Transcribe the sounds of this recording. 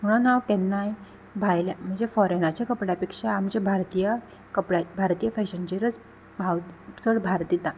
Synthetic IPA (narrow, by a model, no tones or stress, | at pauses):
m̤əɽ̃anawkɛnːaj | bʱajljam̤əɳd͡zefɔɾenat͡ɕakəpɽjapekʂaːmt͡ɕebʱaɾt̪ijə | kəpɽabʱaɾt̪ijəfɛɕənd͡ʑeɾət͡s | bʱawt͡səɽbʱaɾt̪it̪a